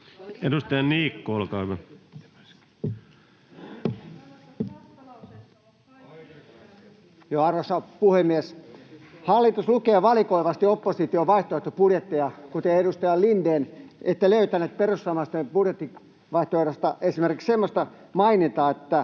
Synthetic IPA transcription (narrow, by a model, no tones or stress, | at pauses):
edust̪ɑjɑniːkːoolkɑʋɑ | joɑrʋosɑpuhemːies | hɑlːit̪uslukeːʋɑlikoiʋɑst̪iopːosit̪ioʋɑiht̪oeht̪ːopudjet̪ːiɑkut̪eːedust̪ɑjɑllindeːnʔet̪ːæløyt̪ænet̪̚perusːɑmɑst̪ːepudjet̪ːi | ʋɑiht̪oeɾost̪ɑʔesimerkiksemːost̪ɑ | mɑinit̪ɑːet̪ːæ